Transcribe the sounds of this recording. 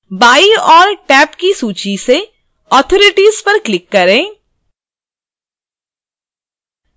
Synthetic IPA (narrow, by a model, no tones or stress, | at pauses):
baːiɔːɾʈɛːpkisuːt͡ʃise | ɔːt̪ʰɔːɾɪʈiːzpɐɾklɪkːɐɾẽː